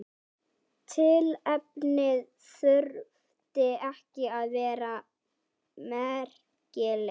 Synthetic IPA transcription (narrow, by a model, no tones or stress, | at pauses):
t̪ʰɪlɛp̚nɪð | sʏɾv | t̪ɪɛhcɪaðvɛːɾa | mɛɾ̥ | cɪl